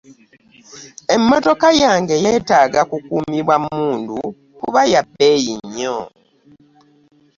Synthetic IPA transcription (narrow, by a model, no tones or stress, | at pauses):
e̞mːoto̞kajaːŋɡe̞jeːtaːɡakukuːmiβwamːuːndu | kuβajabejiɲːo